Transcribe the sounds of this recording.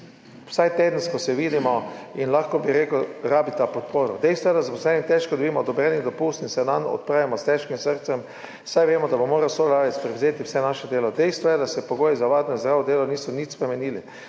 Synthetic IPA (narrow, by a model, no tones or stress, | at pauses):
wsajt̪eːd̪ən̩skɔsɛʋiːd̪imɔinlaxkɔbiɾeːkəɾaːbit̪apɔt̪poːɾɔd̪ɛjst̪ʋɔjɛd̪azaposlɛnit̪ɛʃkɔd̪obiːmɔd̪ɔbɾɛːnid̪ɔpust̪insɛnanɔ̰t̪̚pɾaːʋimɔst̪ɛʃkimsəɾt̪sɛm | sajʋeːmɔd̪abomoːɾasolaːjɛt̪spɾɛwzeːt̪iwsɛnaʃɛd̪eːlɔd̪ɛjst̪ʋɔjɛd̪asɛpoɡoːjizaʋad̪nɔzd̪ɾaːʋɔd̪eːlɔniːsɔnit͡ʃspɾɛmɛniːli